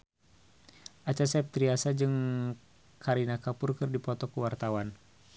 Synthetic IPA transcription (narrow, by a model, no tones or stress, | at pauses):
ʔat͡ʃasɛp̚t̪ɾiasad͡ʒɨŋ | kaɾinakapurkɨrdipɔt̪ɔkuwart̪awan